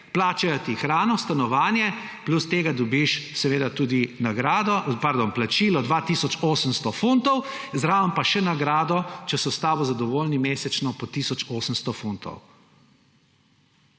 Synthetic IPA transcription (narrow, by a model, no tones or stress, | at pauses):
plaːt͡ʃajɔt̪ixɾaːnɔst̪anɔʋaːnjɛ | plust̪eːɡad̪ɔbiʃsɛʋeːd̪at̪uːd̪inaɡɾaːd̪ɔpaɾd̪onplat͡ʃiːlɔd̪ʋat̪iːsɔt͡ʃoːsəmst̪ɔfunt̪ɔwzɾaʋəmpaʃɛnaɡɾaːd̪ɔt͡ʃɛsɔst̪aːʋɔzad̪ɔʋoːlnimeːsɛt͡ʃnɔpɔt̪isɔt͡ʃoːsəmst̪ɔfunt̪ɔ̰w